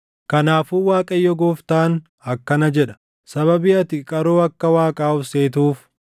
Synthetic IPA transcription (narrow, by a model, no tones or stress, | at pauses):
kɐnaːfuːwaːkʼɐjːɔɡɔːft̪aːn | ɐkːɐnɐd͡ʒɛᶑɐ̥ | sɐβɐbiːɐt̪ɪkʼɐɾoːɐkːɐwaːkʼaːʊfseːt̪̬uːf